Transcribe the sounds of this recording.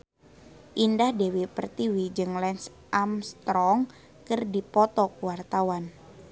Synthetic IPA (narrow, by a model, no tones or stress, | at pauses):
ʔindahdewipərt̪iwid͡ʒɨŋlɛns | ʔamst̪ɾɔŋ | kɨrdipɔt̪ɔkuwart̪awan